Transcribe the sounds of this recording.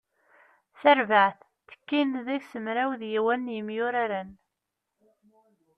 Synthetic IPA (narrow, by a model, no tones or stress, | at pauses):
θæɾvaʕθːə̥kːinðæçsəmɾæwðjiwænːjəmjʊɾaɾæn